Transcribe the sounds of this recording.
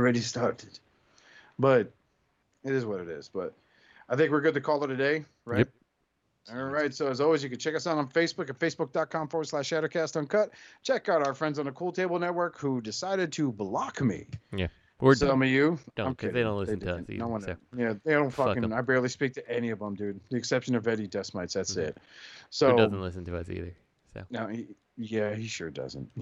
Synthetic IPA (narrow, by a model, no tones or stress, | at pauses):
ɹɛɾistɑɹɾɨd̥ | b̥ʌt̚ | ɨɾɨzwʌɾɨɾɪ̰zb̥ʌ̰t̚ | aɪθɪ̃ŋkwɨɹɡʊd̚tɨkʰɔlˠə˞ɾɨdeɪ | ɹaɪt | ɹaɪtsoʊɨzɔlˠwizjɨkɨd̚t͡ʃʰɛkʌsãñnfeɪsb̥ʊkɨtfeɪsb̥ʊk̚d̥ɑt̚kʰɑ̃ɱfɔɹslæʃæɾoʊkʰæstn̩kʰʌt̚t͡ʃʰɛkaʊɾaʊə˞fɹɛ̃ndzn̩əkʰulˠtʰeɪbl̩ˠnɛt̚wɜ˞khudɨsaɪɾɨd̚tʰɨblɑkmḭjæ | wɪsɛlˠmʌjʉ̥̃ɪ̃kʰeɪɾõʊ̃nlɪðeɪndʌn̩ḭoʊwɑ̃njæðeɪɾõʊ̃nfʌkɪ̃ŋaɪbɛɹlˠispik̚tʰɨʔɛniʌvə̃mdʉɪ̃ŋðiɨksɛpʃɨ̃nʌvɛɾɨdɛsmaɪtsðætsɪt̚soʊdʌn̩tlɪsn̩tʰɨʌ̰sḭðə˞ | so̰noʊi | jæhiʃʊ̰ɹdʌ̰zə̰̃nt̚